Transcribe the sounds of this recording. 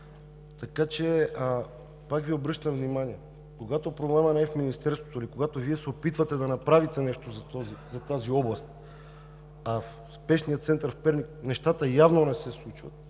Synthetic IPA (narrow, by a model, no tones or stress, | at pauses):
t̪ɐkat͡ʃɛ | pakviobɾɤʃt̪əmvnimaniɛ | koɡat̪opɾoɡlˠamənɛɛfminist̪ɛɾst̪vo̥t̪oilikoɡat̪oviɛsɛopit̪vət̪ɛd̪ɐnɐpɾavit̪ɛnɛʃt̪ozɐt̪ɔzizɐt̪aziɔblˠɐst̪̚ | af | spɛʃnijət̪sɛnt̪əɾfpɛɾniknɛʃt̪at̪əjavnonɛsɛslˠut͡ʃvət̪̚